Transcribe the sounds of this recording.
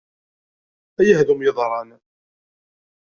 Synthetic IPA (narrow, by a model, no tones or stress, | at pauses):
æjəhðumjəðˤɾˤɑn